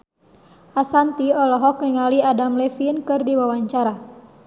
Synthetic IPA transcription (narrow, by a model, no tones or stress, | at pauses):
ʔasant̪iɔlɔɦɔkniŋaliadamlɛfinkɨrdiwawaɲt͡ʃaɾa